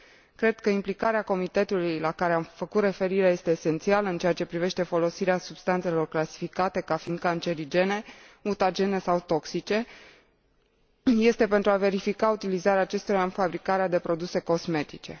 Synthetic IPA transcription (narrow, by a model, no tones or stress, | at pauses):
kɾe̞d̪̥̚kəimplikaɾeako̞mit̪e̞t̪ulujlakaɾe̞amfəkut̪re̞fe̞ɾiɾeaje̞st̪e̞ːse̞nt̪sialəɨnt͡ʃe̞at͡ʃe̞pɾive̞ʃt̪e̞fo̞lo̞siɾeasub̥st̪ant̪se̞lo̞rklasi̥fikat̪e̞kafind̪̚kant͡ʃe̞ɾid͡ʒe̞ne̞ut̪ad͡ʒe̞ne̞sawt̪o̞ksit͡ʃe̞ | je̞st̪e̞pe̞nt̪ɾuave̞ɾifikaut̪ilizaɾeaːt͡ʃe̞st̪oɾaɨnfabɾikaɾead̪e̞pɾo̞d̪use̞ko̞sme̞t̪it͡ʃe̞̰